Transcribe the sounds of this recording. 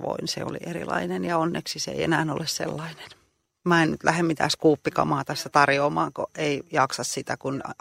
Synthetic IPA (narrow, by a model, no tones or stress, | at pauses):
ʋo̰insḛo̰lḭʔerḭlɑ̰inenjɑonːeksisḛiḛnæːno̰lessḛlːɑine̥n | mɑennyt̪lʔæhemmit̪æ̰ːskuːpːikɑ̰mɑːt̪æsːæt̪ɑrjoːmɑːŋko̰ʔeijɑksɑssit̪ækun